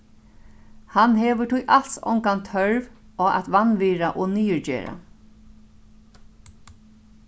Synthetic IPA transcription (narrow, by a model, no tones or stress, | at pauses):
hanɦɛːʋəʈʰʊjʔalt̪sɔ̰wŋkant̪ʰœɹvɔa̰t̪ʋanʋiːɾaʔɔniːjəɹd͡ʒɛ̰ːɹa̰